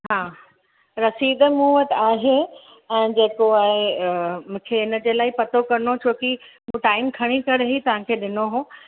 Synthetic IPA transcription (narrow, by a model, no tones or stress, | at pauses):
ɦãː | ɾɐsiːd̪muːət̪aːɦe | ɛ̃ːd͡ʑeːkoaːɦemũːkʰeɪnə̆d͡ʑeːlaːipɐt̪okɐɾnot͡ɕʰoːkimũːʈaːɪmkʰɐɽ̃ikɐɽɦit̪ɐʋ̤ãkʰeːɗɪnoɦõː